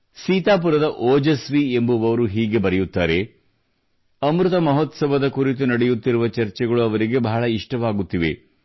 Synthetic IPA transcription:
siːt̪aːp̬uɾɐd̪ɐʔoːd͡ʒɐsʋiembuʋɐʋɐɾuɦiːɡe̞bɐɾɛjut̪ːaːɾe̞ | ɐmɾut̪ɐmɐɦot̪sɐbʱɐd̪ɐkuɾit̪̬unɐɽɛjut̪ːiɾuʋɐt͡ʃɐɾt͡ʃɛɡɐɭuɐʋɐɾiɡe̞bɐɦːɭɐiʂʈɐʋaːɡut̪ːiʋe̞̰

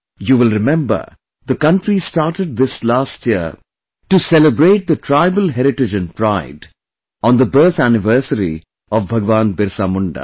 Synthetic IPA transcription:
juːʋɪlɾɪmɛ̃mbə̰˞ | d̪əkʌ̃ɳʈɾisʈaːʈəɖ̚d̪ɪslaːsʈjiə̰ | ʈusɛləbɾeːʈ̚d̪əʈʰɾaɪbəlɦɛɾɪʈɪd͡ʒɨ̃npɾaɪɖ | ɔ̃ːnd̪əbɜːt̪ænɪʋəɾsəɾḭ | ɔʋbʱɐɡʋãːnbɪɾsaːmʊ̃ɳɖa̰

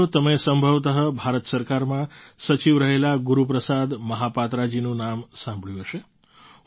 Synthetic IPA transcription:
ot̪əmesə̃mbʱəʋt̪əɦəbʱaɾət̪səɾkaɾmãsət͡ʃiʋɾəɦelaɡuɾup̬ɾəsad̪məɦapat̪ɾad͡ʒinũnamsãmbʱɭjũɦəʃe

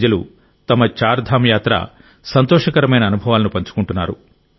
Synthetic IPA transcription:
d͡ʒɐlṵ | t̪ɐmɐt͡ʃaːɾd̪ʱaːmjaːt̪ɾɐ̰ | sɐnt̪ɔːʂɐkɐɾɐmɐjnɐːnubʱɐʋaːlɐnupɐɲt͡ʃu̥kuɳʈunːaːɾṵ

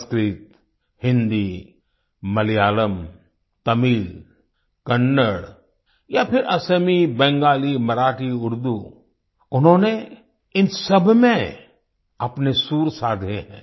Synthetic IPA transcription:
skɾɪt̪ | hɪ̃nd̪i | mɐljaːləm | t̪ɐmiːl | kɐnːəɽ | japʰɪɾʔɐsəmibɛ̃ːŋɡaːlimɐɾaːʈiʊɾd̪u | ʊnɦõːne | ɪnsɐbʱmẽ | ɐpnesuːɾsaːd̪ʱeɦɛ̰̃ː

